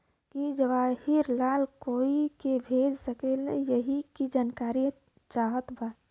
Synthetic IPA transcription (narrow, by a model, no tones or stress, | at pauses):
kid͡ʒəʋahiɾlalkoikebʱed͡ʒsəkelə̰jəɦikid͡ʒankaɾi | t͡ʃaɦət̪ba